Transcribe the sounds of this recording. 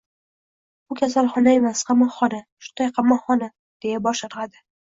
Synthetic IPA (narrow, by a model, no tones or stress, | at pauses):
bʊkʲʰasalˠχɒnae̞masqʰɑmɒːɒnaʃʊ̥najqʰɑmːɒχɒna | d̪̥e̞jabɒʃaɾad̪ɪ